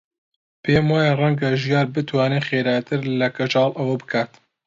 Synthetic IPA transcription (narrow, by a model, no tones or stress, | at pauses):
pʰeːmwaːjarɛŋɡɐʒijɑːɾbɨt̪wɑːnexeːɾaːjt̪ʰɨɾlɐkɐt͡ʃɑːlʔɐwɐbɨkʰaːt̪